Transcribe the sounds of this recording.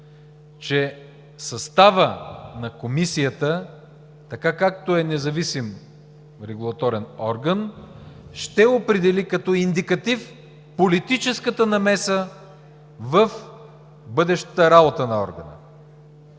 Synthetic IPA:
t͡ʃɛ | sɐst̪avənɐkomisijət̪ə | t̪ɐkakak̚t̪oɛnɛzɐvisim | ɾɛɡulˠɐt̪ɔɾɛnɔɾɡənʃt̪ɛopɾɛd̪ɛlikɐt̪ɔind̪ikɐt̪if | polit̪it͡ʃɛskət̪ənɐmɛsə | vəf | bɤd̪ɛʃt̪əɾabot̪ənɐɔ̰ɾɡənə̰

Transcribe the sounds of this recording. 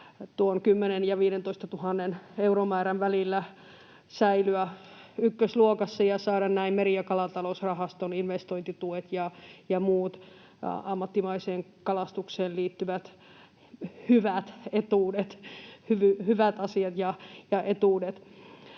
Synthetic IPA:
t̪uonkymːenenjɑʋiːɾent̪oist̪ɑt̪uhɑnːeneuromæːɾɑnʋælilːæ | sæilyæ | ykːøsluokɑsːɑjɑsɑːɾɑnnæimmeɾiɑkɑlɑt̪ɑlosrɑhɑst̪oninʋest̪oint̪it̪uet̪jɑjɑmuːt̪ | ɑmːɑt̪ːimɑiseːŋkɑlɑst̪ukseːlliːt̪ːyʋæt̪ | hyʋæt̪et̪uːdet̪hyʋyhyʋæt̪ɑsiɑt̪jɑjɑʔet̪uːdet̪

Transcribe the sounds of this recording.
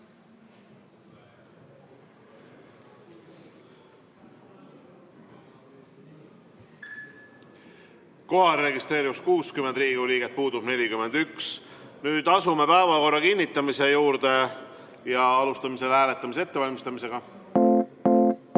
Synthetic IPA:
ko̞ɦɑɾːe̞ɡist̪ɾe̞ːɾivuskuːskymend̪ɾiːɡuliːɡet̪̚puːd̪ub̥ne̞lʲikyme̞nd̪yksnyːd̪̥ɑsume̞pæevɑko̞rːɑkinʲːit̪ːˑɑmise̞juːɾd̪̥e̞ | jɑɑlust̪ɑmise̞lhæːle̞t̪ːˑɑmisee̞t̪ːe̞vɑlʲmist̪ɑmise̞ɡ̥ɑ

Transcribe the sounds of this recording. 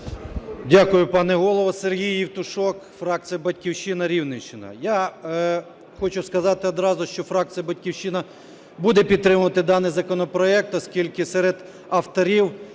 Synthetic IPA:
dʲakʊjʊpɑnɛɦɔlˠɔʋɐserɦʲijiwt̪ʊʃɔkfɾɑk̚t̪ijɐbɐtʲkʲiwʃɪnɐɾʲiwnɪt͡ʃɪnɐ̰ja | xɔt͡ʃʊskɐzɑt̪ɪɔd̪ɾɑzʊʃt͡ʃɔfɾɑk̚t̪t͡s̪ijɐbɐtʲkʲiwʃɪnɐ | bud̪ɛpʲid̪t̪ːɾɪmʊʋɐt̪ɪd̪ɑnɪjzɐkɔnɔpɾɔɛk̚t̪ɔskʲilʲkɪsɛɾed̪ | ɐft̪ɔɾʲiw

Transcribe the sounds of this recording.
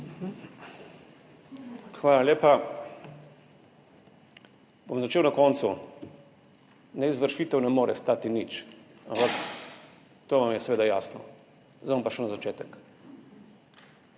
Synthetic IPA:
xʋaːlaljeːpa | bomzat͡ʃeːwnakɔnt̪su | nɛizʋəɾʃiːt̪ɛwnɛmoːɾɛ̰st̪aːt̪init͡ʃampak | t̪oːʋamjɛsɛʋeːd̪ajasnɔ | zampaʃɛnazat͡ʃeːt̪ɛk

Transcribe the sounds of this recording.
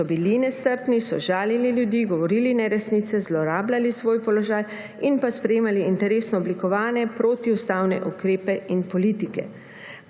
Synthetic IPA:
ɔbilinɛst̪əɾpnisɔ̰ʒaːlililjud̪iːɡɔʋɔɾiːlinɛɾɛsniːt̪sɛzlɔɾaːblalisʋoːjpɔlɔʒaːj | inpaspɾɛjeːmaliint̪ɛɾeːsnɔɔblikɔʋaːnjɛpɾoːt̪iust̪aːwnɛ̰ʔukɾeːpɛinpɔliːt̪ikɛ̰

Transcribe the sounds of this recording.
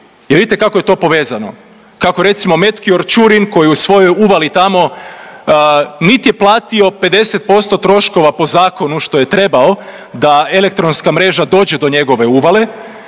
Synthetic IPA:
jeɾʋid̪it̪ekakoje̞t̪o̞ːpo̞ʋe̞ːzano̞ | kako̞ɾe̞t̪simo̞me̞t̪kio̞ɾt͡ʃuɾinko̞jiusʋo̞jo̞juʋalit̪amo̞ | nit̪ije̞plˠaːt̪io̞pe̞d̪e̞set̪̚po̞st̪o̞t̪ɾo̞ʃko̞ʋapo̞zaːko̞nuʃt̪o̞je̞t̪ɾe̞bao̞ | d̪aelek̚t̪ɾonskamɾe̞ːʒad̪o̞ːd͡ʑe̞d̪o̞ɲe̞ɡo̞ʋe̞uʋale̞

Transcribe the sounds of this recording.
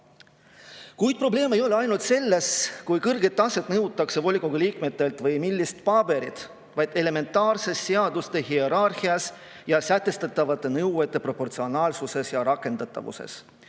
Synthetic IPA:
kujd̪̥̚pro̞ble̞ːme̞jo̞le̞ɑjnult̪se̞lːe̞skujkɤrɡe̞t̪ːˑɑse̞t̪ːˑnɤwt̪ːˑɑkse̞vo̞lʲikːoɡ̥uliːkmet̪ːˑe̞lt̪ˑvɤjmilʲːist̪pɑbe̞ɾḭt̪ | vɑjd̪̥e̞le̞me̞nt̪ˑːɑːrse̞sːe̞ɑd̪ust̪e̞ɦie̞ɾɑrhiɑs | jɑsæt̪ːˑe̞st̪ɑt̪ːˑɑvɑt̪ːˑe̞nɤwet̪ˑːe̞pro̞po̞rt̪sio̞nɑːlsuse̞sjɑɾɑkˑːe̞nd̪ɑt̪ːˑɑ̰vṵse̞̰s

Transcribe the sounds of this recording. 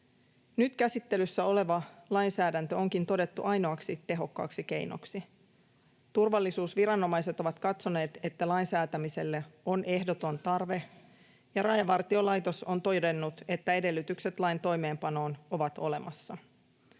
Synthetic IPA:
nyt̪kæsit̪ːe̞lysːæo̞le̞ʋɑlɑjnsæːdænt̪øo̞ŋkint̪o̞de̞t̪ːuʔɑjno̞ɑksit̪e̞ɦo̞kːɑ̰ːksike̞̰jno̞̰ksi | t̪urʋɑlːisuːsʋiɾɑnːo̞mɑjse̞t̪o̞ʋɑt̪kɑt̪so̞ne̞ːt̪e̞t̪ːælɑinsæːt̪æmise̞lːeo̞nʔe̞hdo̞t̪o̞nt̪ɑrʋe̞ | jɑɾɑjɑʋɑrt̪io̞lɑjt̪o̞so̞nt̪o̞jdenːut̪e̞t̪ːæe̞de̞lːyt̪ykse̞t̪lɑint̪o̞jme̞ːmpɑno̞ːno̞ʋɑt̪o̞̰le̞mʔɑsːɑ

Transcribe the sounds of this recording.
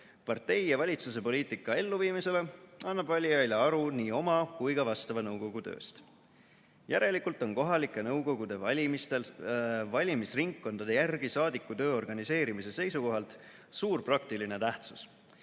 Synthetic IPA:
pɑrt̪e̞jjɑvɑlʲit̪sus̬e̞po̞lʲiːt̪ˑikːɑe̞lːuviːmise̞le̞ɑnːɑb̥vɑlʲːiɑjleɑɾuniːo̞mɑkujɡɑvɑst̪ɑvɑnɤwɡo̞ɡ̥ut̪ø̞̰ːst̪ | jæɾe̞likːˑult̪ˑo̞nko̞ɦɑlikːˑe̞nɤwɡ̥o̞ɡ̥ud̪̥e̞ɑmist̪e̞lvɑlʲimisriŋkːo̞nd̪̥ɑd̪e̞jærɡ̥isɑːd̪ikːut̪ø̞ːo̞rɡ̥ɑnise̞ːɾimise̞se̞jsuko̞ɦɑlt̪ˑ | suːrprɑkt̪ilinet̪æht̪su̥s

